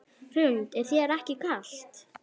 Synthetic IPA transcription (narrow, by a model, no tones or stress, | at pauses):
r̥ʏnt̪ɛɾ̥θjɛɾɛhcɪkal̥t̪